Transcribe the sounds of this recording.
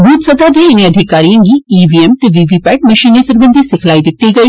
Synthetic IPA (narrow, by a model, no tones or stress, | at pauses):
buːt̪sɐd̪ad̪eɪnẽɐd̪ʱɪkaːɾijãŋɡiːiːʋiɛmt̪eʋiːʋipɛːʈ̚mɐʃiːnesɐɾbə̃nd̪ʱisɪkʰlaːid̪ɪt̪ːiɡɐiː